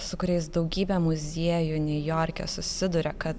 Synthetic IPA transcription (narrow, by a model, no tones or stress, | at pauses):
sʊkʊɾʲɛɪs̬d̪ɒʊɡʲiːbʲɛmʊzʲiɛjʊnʲɛjoːɾʲkʲɛ̰sʊsʲɪd̪ʊɾʲɛkɐt̪